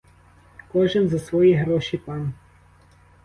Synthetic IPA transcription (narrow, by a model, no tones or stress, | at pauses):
kɔʒɛnzasʋɔːjiɦɾɔːʃipan